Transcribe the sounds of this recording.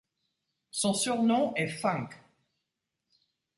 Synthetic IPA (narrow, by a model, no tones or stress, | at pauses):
sɔ̃syʁnɔ̃ɛfɛ̃k